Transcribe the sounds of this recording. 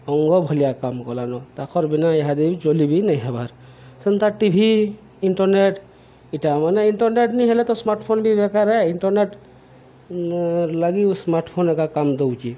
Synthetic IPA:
ɔŋɡɔbʱɔlijakamkɔlanɔt̪akʰɔɾbinaɛɦad̪id͡ʒolibinajɦɛbaɾ | sɛnt̪aʈibʱi | inʈɔɾneʈ | iʈamanɛinʈɔɾneʈniɦɛlɛt̪ɔsmaɾʈpʰonbʱibɛkaɾɛinʈɔɾneʈ | laɡismaɾʈʰpʰonɛkakamd̪owt͡ʃi

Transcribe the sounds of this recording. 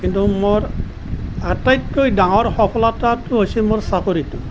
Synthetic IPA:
kintumoɹ | atajtkːojdaŋɔɹxɔpʰɔlatatʊɦojsimoɹsakoɾitʊ

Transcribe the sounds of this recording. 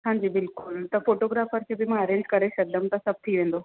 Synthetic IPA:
ɦãɲd͡ʑiːbɪlkult̪əfoʈoɡɾafəɾt͡ɕʰebʱimə̃əɾẽnd͡ʒkəɾeɕɐk̚d̪əmt̪əsəb̚t̪ʰiːʋẽnd̪o

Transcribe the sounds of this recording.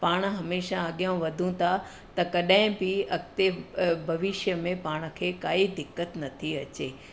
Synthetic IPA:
paːɽ̃ɦɐmeːʃãɐɠjãʋɐd̪ʱũt̪ʰa | t̪ɐkɐɗaɦɪ̃bɪɐkt̪ebʱɐʋɪʃjəmẽpaːɽ̃̆kʰeːkaːid̪ɪkːət̪nɐt̪ʰiɐt͡ɕeː

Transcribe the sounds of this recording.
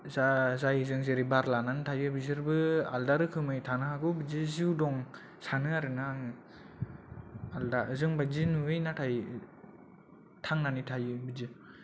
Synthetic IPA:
zazajzɯŋzeɾibaɾlananɯtʰajɯbizɯɾbɯa̰ldaɾɯkʰɯmɯjtʰanɯɦaɡɯwbɯd͡ʒɯziwdɔŋ | sanɯaɾɯnaŋ | aldazɯŋbazinuɯjnatʰaj | tʰaŋnanitʰajɯbizɯ

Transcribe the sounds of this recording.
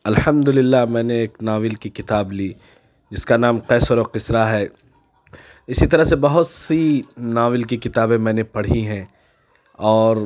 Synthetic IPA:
ɐlhɐmd̪ʊlɪlːaɦmɛ̃ːneeːknaːʋɪlkikɪt̪aːbliː | d͡ʒɪskanaːmqɛːsəɾoqɪsɾaɦɛː | ɪsit̪ɐɾəɦsebɐɦʊt̪sinaːʋɪlkikɪt̪aːbẽmɛ̃ːnepɐɽ̤iɦɛ̃ː | ɔːɾ

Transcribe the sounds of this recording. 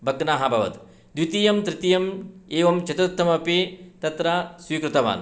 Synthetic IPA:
bʱɐɡnaːɦɐbʱɐʋɐ̰t̪ | d̪ʋit̪ijɐmt̪ɾɪt̪ijɐmeːʋɐmt͡ʃɐt̪ɐt̪ːɐmɐpet̪ɐt̪ɾasʋiːkɾut̪ɐʋa̰ːn

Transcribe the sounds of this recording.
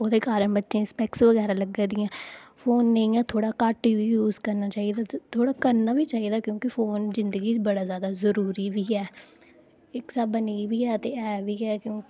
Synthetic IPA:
oːd̪eːkaːɾənbətːʃẽːɪspɛksʋəɡɛːɾaːləɡãːd̪ɪjãːfʰoːnːəĩːɛːt̪ʰoːɽaːkaːʈːiːʋiːjuːzkəɾnaːt͡ʃaːiːd̪aːtːt̪ʰoːɽaːkəɾnaːʋiːt͡ʃaːiːd̪aːkjõːkɪfʰoːnzɪ̃nd̪əɡiːt͡ʃbəɽaːzjaːd̪aːzəɾuːɾiːʋiːɛː | ɪksaːbəniːʋiːɛːt̪eːɛːʋiːɛːkjõːkɪ

